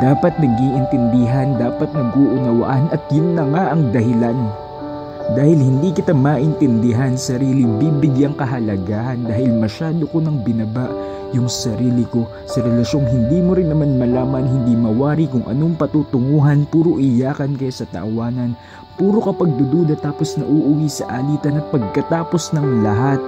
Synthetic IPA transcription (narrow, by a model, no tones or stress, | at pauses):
d̪̥aːpɐt̪̚nɐɡiʔɪnt̪ɪnd̪ɪɦand̪aːpɐt̪̚nɐɡʔoʔʊnɐwa̰ʔanɐt̪̚jʊnːɐŋaʔɐŋd̪ɐɦɪlan | d̪aːhɪlhɪnd̪ikɪt̪amaʔɪnt̪ɪnd̪ɪɦansɐɾiːlɪbibɪɡjaŋkɐɦɐlɐɡaːhɐnd̪aːhɪlmɐʃaːd̪okonɐŋbɪnɐbaʔ | jʊŋsɐɾiːlɪko̞ | sɐɾɛlɐʃo̞ŋhɪnd̪iːmoɾɪnːɐmanmɐlaːmɐnhɪnd̪imɐwaːɾikʊŋʔɐ̰noŋpɐt̪ut̪ʊŋuːɦɐnpuːɾoʔɪjaːkɐnkɐjasɐt̪ɐ̰ʔɐwaːnɐn | puːɾo̞kɐpɐɡ̚d̪ʊd̪ud̪ɐt̪aːpo̞snɐʔuʔʊwisɐ̰ʔalit̪ɐnɐt̪̚pɐɡ̚kɐt̪aːpo̞snɐŋlɐɦat̪̚